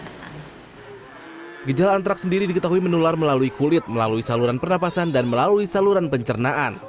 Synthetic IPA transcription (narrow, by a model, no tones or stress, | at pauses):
ɡəd͡ʒalaːnt̪ɾaksəndiɾidikət̪aɦuimənularməlaluikulɪt̪̚məlaluisaluɾanpərnapasandanməlaluisaluɾanpəɲt͡ʃərnaʔa̰n